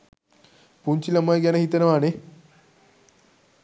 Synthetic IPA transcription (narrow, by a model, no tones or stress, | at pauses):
puɲt͡ɕilɐmɐjɡanɐɦit̪ɐnɐʋaːne